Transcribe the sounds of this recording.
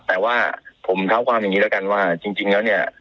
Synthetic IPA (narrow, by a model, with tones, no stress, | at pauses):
t̪ɛː˨˩waː˥˩pʰo˩˦mt̪ʰa˦˥˩wkʰwaː˧mja˨˩ŋːiː˦˥d̪ka˧nwaː˥˩t͡ɕi˧ŋt͡ɕi˧ŋlɛ˦˥wni˥˩ɐ